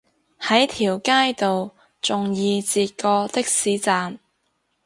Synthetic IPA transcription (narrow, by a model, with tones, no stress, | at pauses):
hɐ˨˥jt̪ʰiː˨˩wkaː˥jt̪o˨w | t͡sʊ˨ŋjiː˨˧t͡siː˨t̚kɔː˧t̪ɪ˥k̚siː˨˥t͡saː˨m